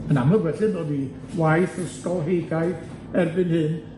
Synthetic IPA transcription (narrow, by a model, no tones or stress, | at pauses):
mənaməwɛɬɪnodi | wajθrəstɔlɦejɡaj | ɛrbɨnhɨn